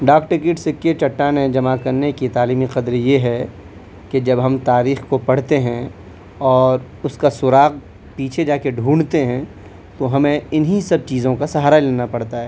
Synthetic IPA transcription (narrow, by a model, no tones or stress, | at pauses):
ɖaːkʈɪkɪːʈsɪkːet͡ʃɐʈːaned͡ʒɐmakɐɾnekit̪aːliːmiqɐd̪ɾjeɦɛ | ked͡ʒɐbɦɐmt̪aːɾiːxkopɐɽt̪eɦɛ̃ | ɔːɾ | ʊskasʊɾaːɣ | piːt͡ʃʰed͡ʒaːkeɖʱũːɳt̪eɦɛ̃ | t̪oɦɐmẽɪnɦisɐb̚t͡ʃiːzõkasɐɦaːɾaleːnapɐɽ̤t̪aɦɛː